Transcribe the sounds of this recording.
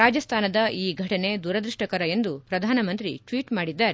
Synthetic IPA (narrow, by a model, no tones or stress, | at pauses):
aːd͡ʒɐst̪ʰaːnɐd̪ɐʔiːɡʱɐʈɐne̞d̪uːɾɐd̪ɾiʂʈɐkɐɾɐe̞nd̪upɾɐd̪ʱaːnɐmɐnt̪ɾḭʈʋiːʈmaːɽid̪ːaːɾe